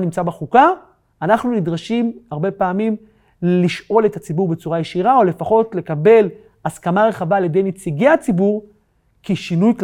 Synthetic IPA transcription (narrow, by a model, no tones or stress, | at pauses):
nimt͡sabeχuka | anaχnunidʁaʃimaʁbe̞paːmim | liʃʔo̞le̞t̪at͡sibuʁbet͡suʁajeʃiʁao̞le̞faχo̞tle̞kabe̞l | askamaʁe̞χavaːljed̪e̞jnet͡siɡeat͡sibuʁ | kiʃinujkl